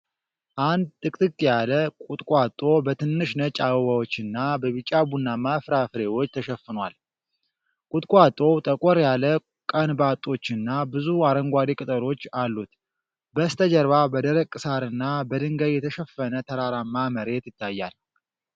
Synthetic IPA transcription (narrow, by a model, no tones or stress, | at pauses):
ʔand̪̚t̪ʼɨkʼt̪ʼɨkʼːjaləkʼut̪ʼkʼat̪ʼːo̞bət̪ʰɨnːɨʃnət͡ʃʼawoβawo̞t͡ʃːɨnːabəβɨt͡ʃʼːabunːamafɾafɨɾe̞wo̞t͡ʃːt̪ʰəʃɛfːɨnwal | kʼut̪ʼkʼwat̪ʼo̞t̪ʼəkʼɔɾjalə | kʼənbat̪ʼːo̞t͡ʃːɨnːabɨzuaɾəŋɡʷaɾikʼɨt̪ʼəɾo̞t͡ʃːalːut̪ | bəst̪ʰəd͡ʒəɾβabəd̪əɾəkʼːɨsaɾɨnːabəd̪ɨŋɡəjjɛt̪ʰəʃəfːənət̪ʰəɾaɾamːaməɾe̞t̪jɪt̪ʰːajːal